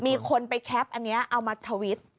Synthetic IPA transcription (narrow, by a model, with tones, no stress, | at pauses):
miː˧kʰo˧npa˧jkʰɛ˦˥p̚ʔa˧nːi˦˥ɐʔa˧wmaː˧t̪ʰəː˧wi˦˥t̪̚